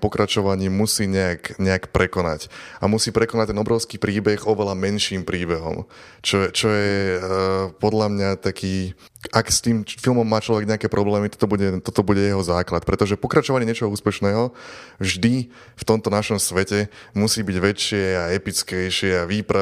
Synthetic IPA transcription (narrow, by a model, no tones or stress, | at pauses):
pɔkɾat͡ʃɔʋaɲiːmusiːɲɛakɲɛakpɾɛkɔna̰camusiːpɾɛkɔnac̚t̪ɛnɔbɾɔʊskiːpɾiːbɛɣɔʋɛlamɛnʃiːmpɾiːbɛɦɔ̰m | t͡ʃɔɛt͡ʃɔjɛ | pɔd̪lamɲat̪akʰiː | akst̪iːmfilmɔmːaːt͡ʃlɔʋɛɡɲɛakɛːpɾɔblɛːmit̪ɔ̥t̪ɔbuɟɛt̪ɔt̪ɔbuɟɛjɛɦɔzaːklat̪̚pɾɛt̪ɔʒɛpɔkɾat͡ʃɔʋaɲɛɲɛt͡ʃɔɦɔuːspɛʃnɛːɦɔvʒd̪i | ft̪ɔmt̪ɔnaʃɔmsʋɛcɛmusiːbiɟʋɛt͡ʃːɪɛaɛpit͡skɛjʃɪɛaʋiːpɾa